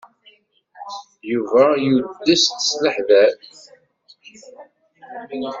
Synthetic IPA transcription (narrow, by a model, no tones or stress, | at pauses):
juvæjud̪ːəst̪ə̥sləħðæθ